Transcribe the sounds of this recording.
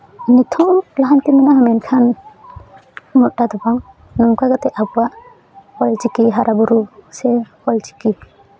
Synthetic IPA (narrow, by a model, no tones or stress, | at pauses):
nit̪ʰɔmlaɦant̪imɛnaɦamɛnkʰan | mɔt̪̚ˀɖad̪ɔbaŋ | nɔmkaɡat̪ɛʔabuwaʔ | hɔlt͡ʃikiɦaɾabuɾusɛhɔlt͡ʃi̥ki